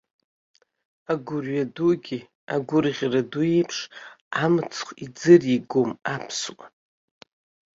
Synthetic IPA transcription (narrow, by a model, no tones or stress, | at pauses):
aɡʷʊrɥaduɡʲi | aɡʷʊrʁʲraduejpʰʂamɨt͡sʰχʷid͡zɨriɡomapʰswʼa